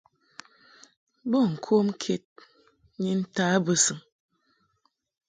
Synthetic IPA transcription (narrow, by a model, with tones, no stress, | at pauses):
bə˦˨ŋ̩˨kʰo˦m˦kʰe˦t̚ | ɲi˦n̩˦taː˦bə˦sɨ˨ŋ